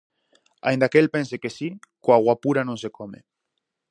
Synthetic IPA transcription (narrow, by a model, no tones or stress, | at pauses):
a̰jnd̪akelpensekesikoaɣwapuɾanõns̬ekɔmḛ